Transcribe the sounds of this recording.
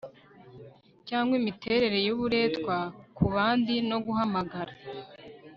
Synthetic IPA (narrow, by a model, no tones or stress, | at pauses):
caːŋɡwimitʰe̞ɾe̞ɾe̞joβuɾe̞ːtkwakuβaːndino̞ɡuɦamaɡaɾa